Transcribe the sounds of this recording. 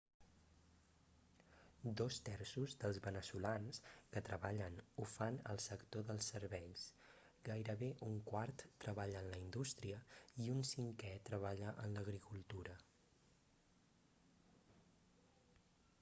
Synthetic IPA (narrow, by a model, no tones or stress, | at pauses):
d̪ost̪ɛɾsuzd̪əlˠzβənəsulanskət̪ɾəβaʎənufanə̰lˠsəkt̪oðəlˠsəɾβɛʎs | ɡajɾəβeʔuŋkwart̪ːɾəβaʎəːnləind̪ust̪ɾiəiunsiŋkɛt̪ɾəβ̞aʎəʔənləɣɾikulˠt̪uɾə